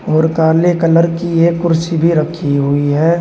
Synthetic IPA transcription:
ɔːɾkaːɾlekələɾkiekːʊɾsibʱiɾəkʰiɦʊiɦɛː

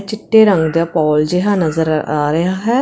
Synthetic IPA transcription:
t͡ʃɪʈːeːɾəŋɡd̪aːpɔːld͡ʒɪɦãːnəzəɾaːɾəjaːɦɛː

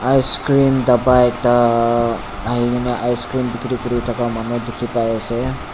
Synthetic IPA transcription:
ajskɾind̪əbajk̚t̪a | aɦiɡineʔajskɾimbikɾikɾit̪ʰɔkamanod̪ekʰipajese

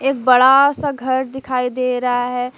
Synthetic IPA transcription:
eːk̚bɐɽasaɡʱɐɾd̪ɪkʰaːid̪eːɾɐɦaɦɛː

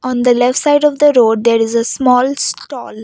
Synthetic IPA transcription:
ɔ̃ːnd̪əlɛfʈsaɪɖɔːʋd̪əɾoːɖ̚d̪eːɾɪzəsmɔːlsʈɔ̰ːl

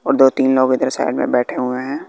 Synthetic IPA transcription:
ɔːɾd̪oːt̪iːnloːɡɪd̪əɾsa̰ːɪɖmḛ̃bɛːʈʰeɦʊeɦɛ̃ː

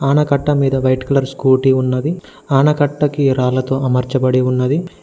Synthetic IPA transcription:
aːnɐkɐʈːɐmiːd̪ɐʋɐjʈkɐlɐɾskuːʈiunːɐd̪i | aːnɐkɐʈːɐkiɾaːlɐt̪oːɐmɐɾt͡ʃɐbɐɽiunːɐd̪i

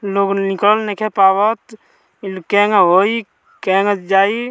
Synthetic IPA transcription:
loɡnikəlnekʰepawət̪ | keŋɦoi | kɛŋəd͡ʒaːi

